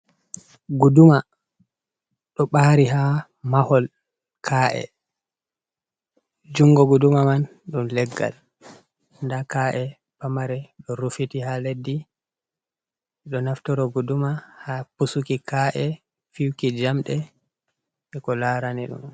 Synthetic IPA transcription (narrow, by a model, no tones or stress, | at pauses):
ɡuduma | ɗɔɓaɾiɦa | mahɔl | kʰaʔɛ̰ | d͡ʒuŋɡɔɡudumaman | ɗumlɛɡːa̰l | ndakaʔɛ | pamaɾɛɗɔɾufitihaledːi | ɗɔnaftɔɾɔɡudumahapusukikaʔɛ | fiwkid͡ʒamɗɛ | ɛkɔlaɾaniɗṵm